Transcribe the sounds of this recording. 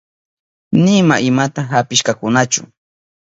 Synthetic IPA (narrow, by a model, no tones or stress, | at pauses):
nɪmaʔɪmat̪aɦapɪʃkakʊnat͡ʃʊ̰